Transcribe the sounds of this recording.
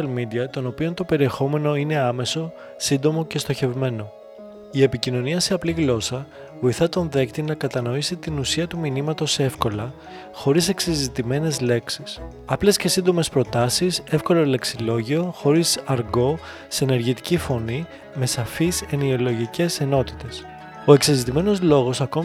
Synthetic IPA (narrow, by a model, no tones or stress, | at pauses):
ɐlmid̪iɐt̪o̞no̞pio̞nt̪o̞pe̞ɾie̞xo̞me̞no̞ine̞ɐme̞so̞ | sind̪o̞mo̞ce̞st̪o̞çe̞vme̞no̞ | ie̞picino̞niɐse̞ɐpliɣlo̞sɐ | vo̞iθɐt̪o̞nðe̞kt̪inɐkɐt̪ɐno̞isit̪inusiɐt̪uminimɐt̪o̞se̞fko̞lɐ | xo̞ɾise̞ksizit̪ime̞ne̞zle̞ksis | ɐple̞sce̞sind̪o̞me̞spɾo̞t̪ɐsise̞fko̞loleksilo̞ʝio̞xo̞ɾisɐɾɣo̞ | sene̞ɾʝit̪i̥cifo̞ni | me̞sɐfise̞nio̞lo̞ʝice̞se̞no̞t̪i̥t̪e̞s | o̞e̞ksizit̪ime̞no̞zlo̞ɣo̞sɐko̞